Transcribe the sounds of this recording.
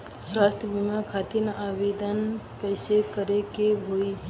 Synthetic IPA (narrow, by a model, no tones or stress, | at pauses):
sɾast̪əbimakʰat̪inaʋed̪ənkəɪsekəɾekebʱoi